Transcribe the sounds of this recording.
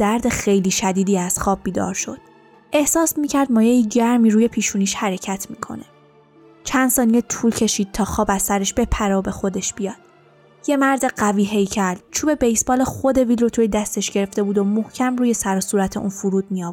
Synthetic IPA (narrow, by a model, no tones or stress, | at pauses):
d̪̥æɾd̪e̞xe̞jliːʃæd̪iːd̪iːæz̥xɒːb̚ːiːd̪ɒ̰ɾʃo̞̰d̪̥̚ | ʔe̞hsɒːsmiːcʰæɾd̪mɒːjejiɟæɾmiːɾuːje̞pʰiːʃuːniːʃhæɾe̞cʰæt̪ʰmiːkʰo̞̰ne̞ | t͡ʃʰænd̪sɒːnijet̪ʰuːlcʰe̞ʃiːd̪̥̚t̪ʰɒːxɒːbæzsːæɾeʃb̥e̞pʰæɾeobe̞xo̞d̪e̞ʃb̥ijɒːd̪̥̚ | je̞mæɾd̪eɢæviːɦe̞jcʰæɾd̪̥̚t͡ʃʰuːbe̞bejsbɒːlexo̞d̪e̞viːlɾot̪ʰujed̪æst̪eʃɟe̞ɾe̞ft̪e̞buːd̪omohcʰæmruːje̞sæɾɒsuːɾæt̪ʰe̞ʔṵːnfuɾuːd̪̥̚mijɒːv